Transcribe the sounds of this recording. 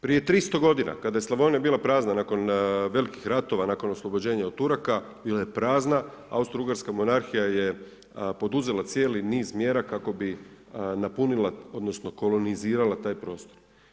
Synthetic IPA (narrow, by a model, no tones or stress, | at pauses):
pɾije̞t̪ɾist̪o̞ɡo̞d̪ina̰kad̪ajeslˠaʋo̞nijabiːlˠapɾaːznanaːko̞nʋe̞likixɾat̪o̞ʋanaːko̞noslˠo̞bo̞d͡ʑe̞ːɲaot̪ːuɾaka | biːlaje̞pɾaːznaa̰ust̪ɾuɡaɾskamo̞naɾxijaje̞ | po̞d̪uze̞lˠat̪sje̞ːliniːzmje̞ɾakako̞bi | napunilˠao̞d̪nosno̞ko̞lˠo̞niziːɾalat̪aːjpɾo̞ːst̪oɾ